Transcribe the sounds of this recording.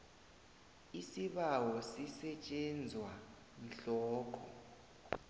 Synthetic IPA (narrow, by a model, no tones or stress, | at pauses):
isiɓawɔsisɛt͡ʃʼɛnd͡zʱwa | n̩ɬɔːk̬ʰʼɔ